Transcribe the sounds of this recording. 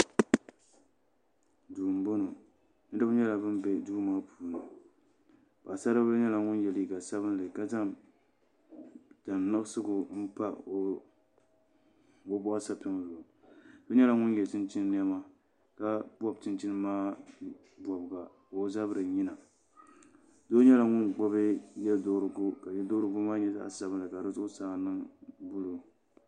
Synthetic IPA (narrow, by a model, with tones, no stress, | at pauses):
duː˨m˨bo˦no˨ | nɨ˦dɨ˦ʊ˦ɲɛ˦la˨bɨ˦mbɛ˨du˦maː˦pʰuː˨nɨ˨ | ba˨sa˦ɾa˦bɨ˦ɲɛ˦la˨ŋʊ˦njɛ˨li˨ɡa˨sa˦βɨ˦n˦lɨ˨ka˦ta˦m | ta˨n˨nɨ˦sɨ˦ɡʊ˨m̩˦pa˦˨ | ʊ˦bʊ˦ʔa˦sa˨pɪ˦ŋ˨lo˨ | d̥o˦ɲɛ˦la˨ŋʊ˦njɛ˨tɪ˦nt͡ʃɪ˦n˦ni˦ɛ˦ma˦ | ka˦bɔ˦b̚t͡ʃɪ˦nt͡ʃɪ˦nɨ˦maː˦ | bɔ˨bɡa˨ | o˨˦za˦bɾɨ˨ɲi˦na˨ | do˦ɲɛ˦la˨ŋʊ˦nɡ͡bɔ˦βɨ˦jɛ˦do˦ɾɨ˨ɡʊ˦ka˨jɛ˦do˦ɾɨ˦ɡʊ˦maː˦ɲɛ˦ta̰˦ʔsa˦bɨ˦nlɨ˨ka˨dɨ˦zʊ˦ʊ˦saː˨nɨ˦ŋbʊ˦lʊ˨